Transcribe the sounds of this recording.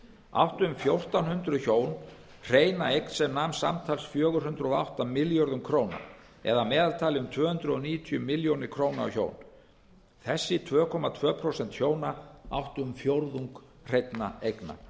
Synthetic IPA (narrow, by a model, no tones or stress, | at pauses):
a̰wht̪ʏmfjowr̥t̪anhʏnt̪ɾʏçoːwn | r̥eːjnaejknsɛmnamsa̰mt̪ʰalsfjœːɣʏɾ̥hʏnt̪ɾʏɔa̰wht̪amɪljɔɾðʏmkʰɾoːwna̰ | ɛ̰ðamɛːðalt̪ʰaːlɪʏmt̪ʰvœːhʏnt̪ɾʏɔniːjʏt̪ʰiʏmːɪljownɪɾkʰɾoːwnaa̰wço̰ːwn | θɛsːɪt̪ʰvœːkʰɔmat̪ʰvœːpʰɾosɛnt̪çjoːwnaa̰wht̪ʏmfjowɾðuŋk | r̥ejt̪na̰ejkna̰